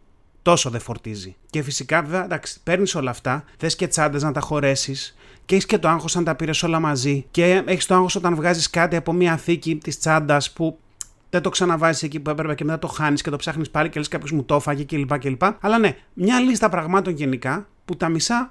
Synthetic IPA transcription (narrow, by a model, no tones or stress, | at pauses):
t̪o̞so̞ðe̞fo̞ɾt̪izice̞fisikɐveveɐd̪ɐksi̥pe̞ɾniso̞lɐːft̪ɐθe̞sce̞t͡sɐnd̪ɐznɐt̪ɐxo̞ɾe̞sis | ceeçiscet̪o̞ɐŋxo̞sɐnt̪ɐpiɾe̞so̞lɐmɐzice̞eçist̪oɐŋxo̞so̞t̪ɐnvɣɐziskɐt̪iɐpo̞miɐθicit̪ist͡sɐnd̪ɐspu | ðet̪o̞ksɐnɐvɐzisecipuepɾepecemet̪ɐt̪o̞xɐnisce̞t̪opsɐxnispɐlice̞leskɐpço̞zmut̪o̞fɐʝece̞lipɐce̞lipɐɐlɐne̞mɲɐlist̪ɐpɾɐɣmɐt̪o̞nʝe̞nikɐ | put̪ɐmisɐ